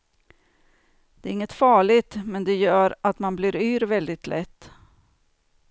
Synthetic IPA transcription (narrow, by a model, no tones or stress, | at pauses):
d̪̥ɛæɾɪŋːət̪fɑːɭɪt̪mɛnd̪ɛjœːɾʔat̪manblɪɾyːɾvɛld̪ɪt̪lʔɛt̪ː